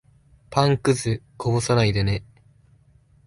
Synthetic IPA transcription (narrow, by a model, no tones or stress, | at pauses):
pãŋkɯ̟zɨkʰobosanaid̪ene